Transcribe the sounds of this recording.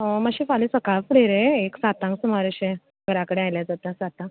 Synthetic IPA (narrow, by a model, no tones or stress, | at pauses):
əmaɕĩfalisəkafɽeɾeeksat̪ãŋksumaɾəɕẽ | ɡʱəɾakəɽeajljad͡zat̪asat̪ãŋk